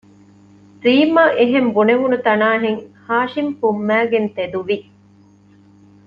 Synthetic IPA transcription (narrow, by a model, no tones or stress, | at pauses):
ɾiːmɐʔeɦembuneʋunut̪ɐnaːɦeŋhaːʃimpumːæːɡent̪ed̪uʋi